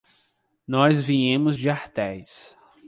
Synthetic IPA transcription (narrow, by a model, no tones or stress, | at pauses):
nɔzvĩɲẽmʊzd͡ʒɪaɾt̪ɛjs